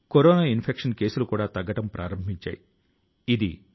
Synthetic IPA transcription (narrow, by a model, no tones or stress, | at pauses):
koɾɔːnaːinpʰekʂɐnke̞ːsulukuːɽaːt̪ɐɡɐʈɐmpɾʔaːɾɐmbʱiɲt͡ʃa̰ːji | id̪ḭ